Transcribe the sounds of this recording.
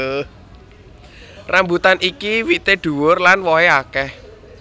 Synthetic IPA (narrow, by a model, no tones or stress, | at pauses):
rʔambut̪anʔikiwit̪eɖ̪̥ṳwʊrlanwɔɦeakɛh